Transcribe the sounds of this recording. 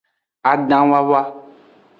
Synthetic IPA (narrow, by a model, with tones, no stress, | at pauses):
a˨ɖã˨wa˦βa˦